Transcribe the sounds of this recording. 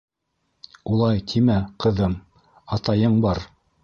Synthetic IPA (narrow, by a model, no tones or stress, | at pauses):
ulˠɑjt̪ʰimæqɤ̆ðɤm | ɑt̪ɑjɤɴbɑɾ